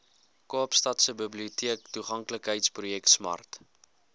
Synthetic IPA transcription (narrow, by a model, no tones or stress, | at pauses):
koːpstɐtsəbəbliutiəktuχɐŋkləkɦəjtsprujɛk̚tsmɐ̰rt